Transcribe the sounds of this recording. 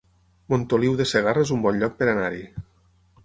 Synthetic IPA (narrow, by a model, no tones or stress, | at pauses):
mont̪oliwðeseɣaraezumbɔnʎɔk̚peɾanaɾi